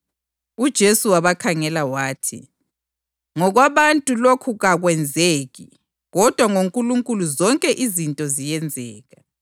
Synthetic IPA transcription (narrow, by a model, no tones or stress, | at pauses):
ud̥ʒ̥ʱesuwaβakʰaŋɛlawaːtʰḭ | ŋɔɣwaβantʼulokʰuɣaɣwɛnd͡zʱeːɣḭ | ɣɔd̥ʱwaŋoŋkʼuluŋkʼuluzɔŋkʼɛʔizintʼɔzijɛnd͡zʱɛːɣa